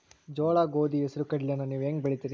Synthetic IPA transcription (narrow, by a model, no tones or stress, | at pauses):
d͡ʒɔːɭaːɡoːd̪iesɐɾukɐɽlijɐnːɐniːʋeːŋɡbɐɭit̪iːɾi